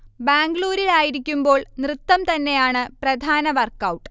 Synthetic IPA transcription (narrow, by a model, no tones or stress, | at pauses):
baːŋɡɭuːɾiɭaːjiɾikʲːumbo̞ːɭnrɨt̪ːɐmt̪ɐnːe̞jaːɳɨprɐd̪ʱaːnɐʋɐrkːɐwʈːɨ